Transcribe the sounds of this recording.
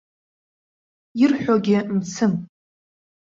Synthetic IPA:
irħᶣʷoɡʲɪmt͡sʰɨm

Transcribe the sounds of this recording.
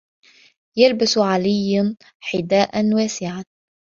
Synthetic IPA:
jalbasʕalɪjːn | ħɪd̪aːʔanwaːsɪʕan

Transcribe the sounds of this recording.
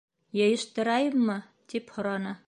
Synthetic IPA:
jɤ̆jɤ̆ʃt̪ɤ̆ɾɑjɤmːɤ | t̪iphŏɾɑnɤ

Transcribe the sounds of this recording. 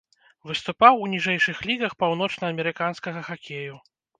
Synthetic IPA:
vɨst̪upawunʲiʐɛjʂɨxlʲiɣɐxpawnɔt͡ʂnɐːmʲɛɾɨkanskɐɣɐxakʲeju

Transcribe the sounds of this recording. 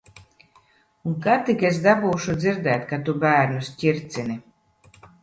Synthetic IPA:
uŋkat̪ikesd̪abuːʃud̪ziɾd̪ɛːjt̪̚kat̪ubæːɾnusʲcʲiɾt̪sʲini

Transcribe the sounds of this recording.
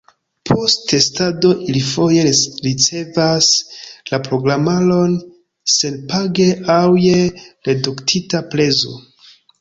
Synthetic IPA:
pʰo̞stte̞stado̞ʔilifo̞je̞ɾit͡se̞vaslapɾo̞ɡɾamalo̞n | se̞npaɡe̞ʔawjeɾeduktʰitapɾe̞zo̰

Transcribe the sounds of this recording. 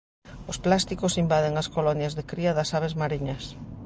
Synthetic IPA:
ʊsplast̪ikʊsimbaðeŋaskolɔnjɐzðekɾiɐðɐsaβezmaɾiɲɐs

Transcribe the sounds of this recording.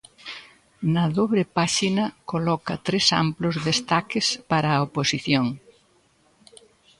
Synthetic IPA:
nɐðoβɾepaʃinɐkolɔkɐt̪ɾesa̰mplʊzðest̪akɪspaɾɐoposiθjoŋ

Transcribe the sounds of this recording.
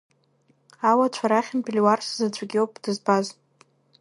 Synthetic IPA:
awat͡ʃʷʰaɾaχʲɪmbʲʼilʲwarszat͡ɕʷʰʼaɡʲiopʼdɨzbaz

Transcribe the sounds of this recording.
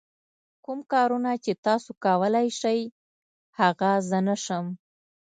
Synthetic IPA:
kumkɑɾunat͡ʃet̪ɑsokawəlajʃəj | haɣazənaʃəm

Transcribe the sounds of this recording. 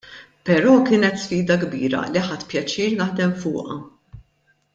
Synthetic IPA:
pɛɾɔːkɪːnɛt̪sfiːd̪ɐɡbḭːɾɐ̰liħɐt̪ːpjɐt͡ʃiːɾnɐħd̪ɛmfʊ̰ːʔɐ̰

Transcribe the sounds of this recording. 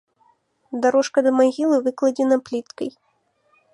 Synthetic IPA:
d̪aɾɔʂkɐd̪ɐmaɣʲilˠɨvɨklˠɐd͡zʲɛnɐplʲit̪kɐj

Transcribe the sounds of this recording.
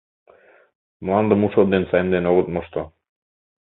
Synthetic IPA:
mlˠɑnd̪əmuʃod̪ensɑjnd̪enoʁot̪moʃt̪o

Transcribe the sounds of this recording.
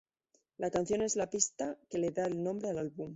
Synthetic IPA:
lakanθjo̞ne̞zlapist̪ake̞leðaelnõ̞mbɾealalβum

